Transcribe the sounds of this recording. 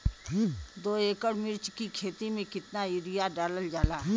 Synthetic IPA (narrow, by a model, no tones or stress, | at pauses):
d̪oːeːkəɽmɪɾt͡ʃkikʰeːt̪imẽkɪt̪naɪɾijaɖaːləld͡ʒaːlaː